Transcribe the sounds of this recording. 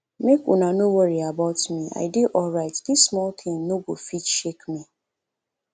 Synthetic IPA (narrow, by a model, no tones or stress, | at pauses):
mekṵnanowɔɹiabaʊtmia̰ɪdiʔɔlɹaɪtdismɔlt̪ʰɪ̃mnoɡofit͡ʃʃekmĩ